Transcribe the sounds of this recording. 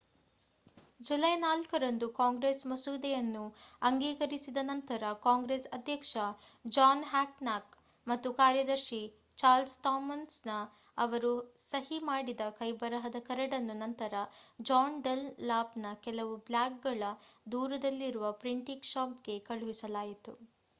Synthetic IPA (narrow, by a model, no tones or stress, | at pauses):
d͡ʒulɐjnaːlkɐɾɐnd̪ukaːŋɡɾeːsmɐsuːd̪ɛjɐnːuɐŋɡiːkɐɾisid̪ɐnɐnt̪ɐɾɐkaːŋɡɾeːsɐd̪ʱjɐkʂɐ | d͡ʒaːnɦaːknaːk | mɐt̪ːukaːɾjɐd̪ɐɾʃi | t͡ʃaːɾlsʈ̪aːmɐnsnɐ | ɐʋɐɾusɐɦimaːɽid̪ɐkɐjbɐɾɐɦɐd̪ɐkɐɾɐɽɐnːunɐnt̪ɐɾɐd͡ʒaːnɖɐlːaːpnɐkɛlɐʋubljaːk̚ɡɐɭɐd̪uːɾɐd̪ɐlːiɾuʋɐpɾiɳʈiɡʃaːpɡe̞kɐɭuʋisɐlaːjit̪ṵ